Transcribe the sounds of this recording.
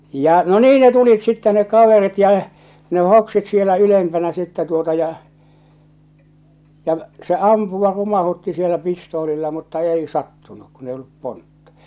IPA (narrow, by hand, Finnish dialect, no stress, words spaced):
jɑ no niː ne tulit sitːɛ nek̆ kɑʋerit jɑ ne hoksit sielæ ylempænæ sitːɛ tuotɑ jɑ jɑ se ɑmpuʋɑ rumɑhutːi sielæ pistoːlilːɑ mutːɑ ei sɑtːunuk kun ei olːup pontːɑ